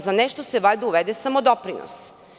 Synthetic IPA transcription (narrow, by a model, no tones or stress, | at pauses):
zaneʃt̪oseʋajd̪uuʋed̪esamod̪opɾino̰s